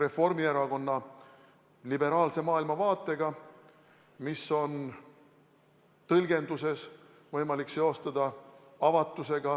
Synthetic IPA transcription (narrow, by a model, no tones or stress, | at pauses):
re̞fo̞rmie̞ɾɑɡo̞nːɑ | libe̞ɾɑːlse̞mɑːilmɑvɑːt̪ːˑe̞ɡ̥ɑ | miso̞n | t̪ɤlɡe̞nd̪use̞s | vɤjmɑlikse̞o̞st̪ɑd̪̥ɑ | ɑvɑt̪ˑːuse̞ɡɑ